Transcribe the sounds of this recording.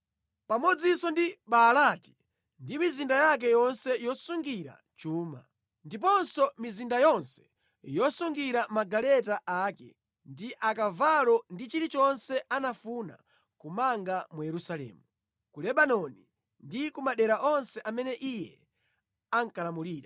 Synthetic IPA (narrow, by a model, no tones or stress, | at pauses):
pamɔd͡zisɔndiɓalati̥ | ndimizindajak̬ɛjɔnsɛjɔsuŋɡiɾa̰ | t͡ʃuːma̰ | ndip̬ɔnsɔmizindajɔnsɛ̥ | jɔsuŋɡiɾamaɡalɛtaʔaːkɛ̰ | ndiʔakavalɔndit͡ʃiɾit͡ʃɔnsɛʔanafuna̰ | kumaŋɡamujɛɾusalɛ̰ːmu | kulɛɓanɔni | ndikumaɗɛɾaʔɔnsɛʔamɛnɛʔijɛ̰ | aŋkalamuliːɾa